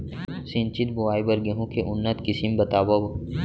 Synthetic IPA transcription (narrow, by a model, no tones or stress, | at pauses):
sĩnt͡ʃit̪̚buaːibɐɾɡeɦũkeʔʊnːət̪kɪsimbɐt̪aːbɐb